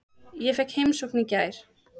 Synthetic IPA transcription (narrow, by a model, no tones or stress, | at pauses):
jɛfɛhkhejmsɔknicaːjɾ̥